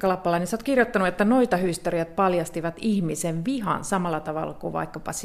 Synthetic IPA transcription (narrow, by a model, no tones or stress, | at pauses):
kɑlɑpːɑlɑinesot̪kirjot̪ːɑnuet̪ːænoit̪ɑhyst̪eriæt̪̚pɑljɑst̪iʋɑt̪ihmiseʋʋiɦɑ̰nsɑmɑlːɑt̪ɑʋɑ̰lːɑkuʋɑ̰ikːɑpɑ̰s